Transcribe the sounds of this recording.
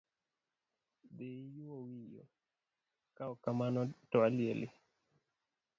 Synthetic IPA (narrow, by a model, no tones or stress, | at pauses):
dejuowijo̰ | kaɔkamanɔtɔaljelʔɪ